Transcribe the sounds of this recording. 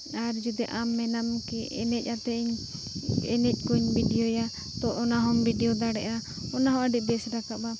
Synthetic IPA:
aɾd͡ʒud̪ɛʔamːɛnamkiɛnɛc̚at̪ɛiɲ | ɛ̰nɛc̚ˀkuɲbʱiɖijɔja | t̪ɔʔɔnaɦɔmbʱiɖɛɔd̪aɽɛ̰ʔa | ɔnaɦɔ̃ʔəɖiʔ̚bɛsɾakaba

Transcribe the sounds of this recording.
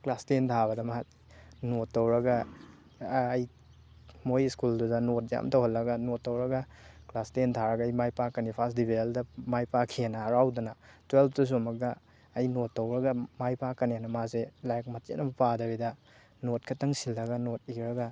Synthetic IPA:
klastentʰaβɐdɐmɐɦat̚ | notːowɾɐɡɐ | j | mojskuldudɐnot̚ja̰mtʰowɦɐlːɐɡɐnotːowɾɐɡɐ | klastentʰaɾɐɡaɐjmajpakːɐnipʰasdibʱeldɐmajpakʰienɐːɾawdɐnɐtwelpʰtus̬omɐk̚ːɐː | jnotːɐwɾɐɡɐmajpakːɐnenɐmazelajk̚mɐtḛnɐmɐpadɐbidɐ | not̚kʰɐtːɐŋsilːɐɡɐnot̚iɾɐɡɐ

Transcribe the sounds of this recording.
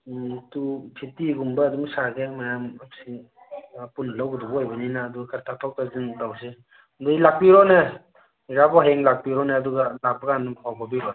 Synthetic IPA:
tupʰitiɡumbɐːduŋsaɡemajamapsi | punɐlawɡɯdubuajbɐninaːduɡkʰaɾtʰatʰaw̚tazindawse | nduilak̚piɾɔnɐ | ɾabɔɦeŋlak̚piɾɔneːduɡɐlak̚bɐɡanumpʰawbabiɾɔn

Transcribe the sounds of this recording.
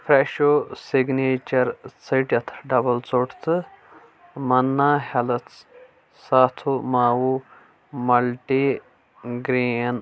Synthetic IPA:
fɾeːʃoːsiɡneːt͡ʃɐɾt͡sɐʈjɐt̪ʰɖɐbɐlt͡soːʈʰt̪ʰɨ | mɐnːaːhɐlɐt͡s | saːt̪ʰumaːwu | mɐlʈi | ɡɾin

